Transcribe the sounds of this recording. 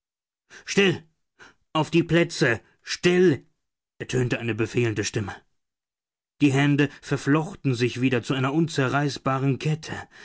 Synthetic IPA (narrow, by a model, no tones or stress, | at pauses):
ʃtɪl | ʔaʊfd̥iːpl̥ɛt͡sə | ʃtɪl | ʔɛɐtʰøːntəʔaɪnəbəfeːləndəʃtɪmə | d̥iːɦɛndəfɛɐflɔxtn̩zɪçv̥iːdɐt͡suʔaɪnɐʔʊnt͡sɛɐʁaɪsb̥aːʁənkʰɛtʰə